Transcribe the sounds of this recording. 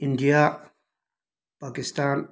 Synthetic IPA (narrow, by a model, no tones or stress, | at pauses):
ind̪ija | paːkɪst̪aːn